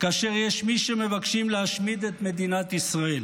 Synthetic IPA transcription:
kaːʃe̞ʁjeʃmiʃemevakʃimleaʃmid̪et̪me̞d̪inat̪isʁae̞l

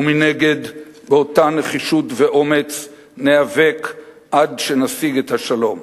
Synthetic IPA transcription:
umineɡe̞dbeo̞taneχiʃutveʔo̞me̞t͡s | neave̞k | ʔadʃe̞nasiɡethaʃalo̞m

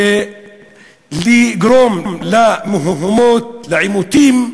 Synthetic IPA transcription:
liɡɾommlamʊɦuɦumoːt̪̚laʕimut̪iːm

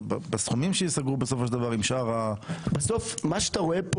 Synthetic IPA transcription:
bbesχumimʃejisaɡʁubesofoʃeld̪avaʁimʃaʁabesofmaʃeat̪aʁoep

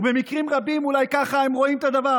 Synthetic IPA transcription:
be̞mikʁimʁabimulajkaχaemʁo̞imt̪ad̪ava

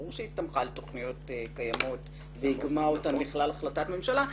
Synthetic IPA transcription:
uʃeist̪amχaleto̞χnijo̞tkajamo̞t | veiɡmaotanbiχlalaχlatatme̞mʃala

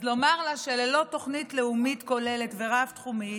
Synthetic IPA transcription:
zlo̞maʁlaʃelelo̞to̞χnitleumitko̞le̞letve̞ʁaftχumi

